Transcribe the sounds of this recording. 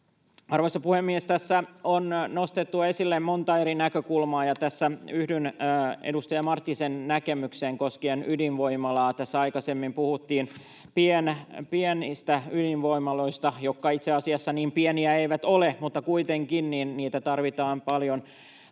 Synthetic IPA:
ɑrʋoisːɑpuhemːiest̪æsːæonno̞st̪et̪ːuɑe̞silːemmo̞nt̪ɑe̞ɾinækøkulmɑːjɑt̪æsːæyhdynːḛdust̪ɑjɑmɑrt̪ːisennækemykseːŋkoskienydinʋo̞imɑlɑːt̪æsːæɑikɑsemːimpuhut̪ːiːn | pienpienist̪æydinʋoimɑloist̪ɑjokːɑit̪seɑsiɑsːɑniːmpieniæeiʋæt̪olemut̪ːɑkuit̪eŋkinniːnniːt̪æt̪ɑrʋit̪ɑːmpɑljon

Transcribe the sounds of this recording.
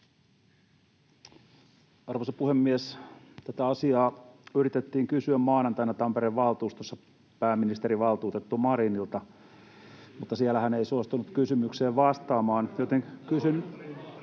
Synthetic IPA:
ɑrʋosepuhemːiest̪æt̪æɑsiɑːyrit̪et̪ːiːŋkysyæmmɑːnɑnt̪ɑinːɑt̪ɑmpeɾeʋʋɑlt̪uːst̪osːɑ | pæːmːinist̪eɾiʋɑlt̪uːt̪et̪ːumɑɾinilt̪ɑ | mut̪ːɑsiælæhæneisuost̪unut̪kysymykseːʋʋɑst̪ɑːmɑːnjot̪eŋkysyn

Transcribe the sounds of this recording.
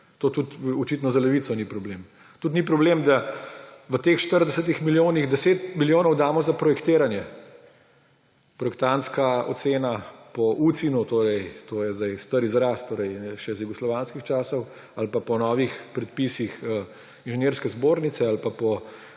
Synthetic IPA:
t̪oːt̪ut̪ɔt͡ʃit̪nɔzalɛʋiːt̪sɔnipɾɔblem | t̪ut̪nipɾɔbleːmd̪a | ʋət̪eːxʃt̪əɾd̪ɛsət̪ixmiljoːniɣd̪ɛseːt̪miljoːnɔwd̪aːmɔzapɾɔjɛkt̪eːɾanjɛ | pɾɔjɛkt̪ant̪skaɔ̰t̪seːnapɔʔut̪sinut̪oːɾɛjt̪oːjɛzd̪ajst̪əɾizɾaːst̪ːoːɾɛjʃɛzjuɡɔslɔʋanskixt͡ʃaːsɔw | alpapɔnɔːʋixpɾɛt̪̚pisixə | inʒɛneːɾskɛzboːɾnit̪sɛalpapɔ

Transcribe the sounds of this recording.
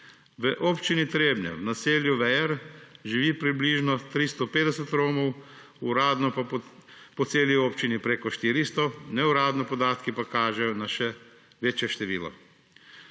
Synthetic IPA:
ʋəʔoːpt͡ʃinit̪ɾeːbnɛ̰wnaseːljuʋɛjɛɾʒiʋiːpɾibliːʒnɔt̪ɾist̪ɔpeːd̪ɛsɛt̪ɾoːmɔw | uɾad̪nɔ | pɔt̪seːlioːpt͡ʃinipɾeːkɔʃt̪iɾist̪ɔnɛuɾaːd̪nɔpɔd̪aːt̪kipakaːʒɛnaʃɛ | ʋeːt͡ʃjɛʃt̪ɛʋiːlɔ̰

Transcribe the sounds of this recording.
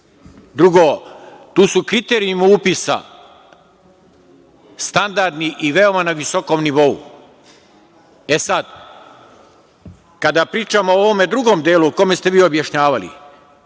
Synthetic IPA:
d̪ɾuɡoːt̪uːsukɾit̪eːɾiumupisa̰ | st̪and̪aɾd̪niʔiʋe̞o̞manaʋiso̞ko̞mniʋo̞ṵ | e̞sad̪ | kad̪apɾiːt͡ʃamooʋo̞me̞d̪ɾuɡo̞ːmd̪eːluko̞mest̪e̞ʋiːo̞bjaʃɲaːʋalḭ

